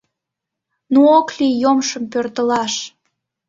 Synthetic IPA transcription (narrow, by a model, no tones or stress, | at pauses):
nuoklijomʃəmpørt̪əlɑʃ